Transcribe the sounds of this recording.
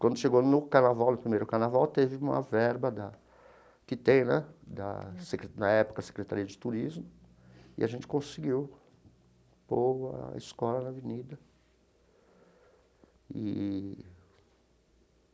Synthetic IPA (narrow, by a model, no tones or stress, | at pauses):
kwɐ̃nd̪ʊʃeɡonʊkaɾnavawnʊpɾimejɾʊkaɾnavawt̪evɪũmɐ̰vɛɾbɐd̪ɐ | t̪it̪ẽnɐd̪ɐ̰sekɾnɐɛpʊ̥kɐse̥kɾet̪aɾiɐd͡ʒɪt̪uɾizmʊ | ɪ̰ʔaʒẽnt͡ʃɪ̥kõsɪɡiw | poɾɐ̰ḭskɔlɐnɐvenid̪ɐ | ɪ